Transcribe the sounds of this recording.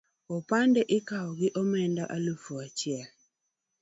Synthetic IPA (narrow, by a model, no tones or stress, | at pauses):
ɔpandɛʔɪkaɔɡɪʔɔmɛndaʔalufuat͡ʃɪɛl